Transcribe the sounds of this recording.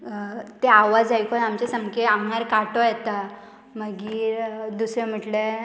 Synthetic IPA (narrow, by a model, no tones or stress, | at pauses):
t̪eaʋad͡zajkɔnamt͡ɕesəmkeamɳaɾkaʈɔjɛt̪a | məɡiːɾd̪usem̤əʈle